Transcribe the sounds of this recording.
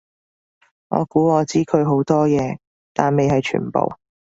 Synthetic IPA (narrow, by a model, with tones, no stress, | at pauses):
ŋɔ̰ː˨˧kuː˨˥ɔː˨˧t͡siː˥kʰɵ˨˧ɥɦo˨˥wt̪ɔː˥jɛː˨˧ | t̪aː˨nme˨jɦɐ˨jt͡ʃʰy̰ː˨˩npo̰˨w